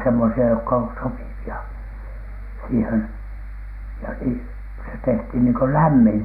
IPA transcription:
semːosiɑ jokːɑ on sopiʋiɑ siːhen jɑ ni se tehthin niːŋko læmːiŋ

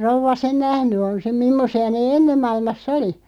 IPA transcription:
rouʋˑɑ sen næhny on sem mimːosiɑ neː enːem̆ mɑilmɑsː oli

